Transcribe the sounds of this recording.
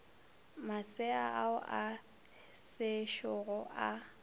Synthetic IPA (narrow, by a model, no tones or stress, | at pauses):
masɪaʔaʊʔa | sɪʃɔɣɔʔa